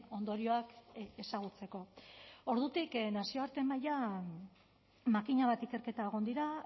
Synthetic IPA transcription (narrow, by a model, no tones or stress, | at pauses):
o̞nd̪o̞ɾio̞akesaɣ̞ut͡se̞ko̞o̞ɾðut̪iknasio̞aɾt̪e̞maja | makiɲaβat̪ike̞ɾke̞t̪aeɣ̞o̞nd̪iɾa